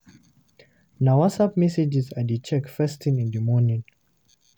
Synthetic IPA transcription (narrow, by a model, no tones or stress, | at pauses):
nawasap̚mɛsed͡ʒizadet͡ʃɛkfɛstʰĩnĩndəmɔnĩŋ